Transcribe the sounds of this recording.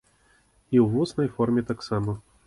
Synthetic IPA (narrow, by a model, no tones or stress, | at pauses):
iwvusnɐjfɔrmʲɛt̪aksamɐ